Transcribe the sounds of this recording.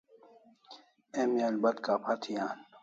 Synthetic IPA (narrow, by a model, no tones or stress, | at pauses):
emalbɐt̪kaːpʰat̪ʰijaːn